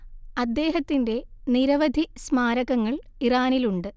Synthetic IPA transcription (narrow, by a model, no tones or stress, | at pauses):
ɐd̪ːe̞ːɦɐt̪ːinde̞niɾɐʋɐd̪ʱismaːɾɐɣɐŋːɐɭiraːniluɳɖɨ